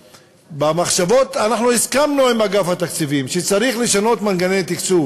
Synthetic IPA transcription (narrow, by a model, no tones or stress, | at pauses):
bamaχʃavo̞t̪anaχnuniskamnuimaɡafhat̪akt͡sivimʃet͡saʁiχleʃano̞t̪manɡanejt̪ikt͡suv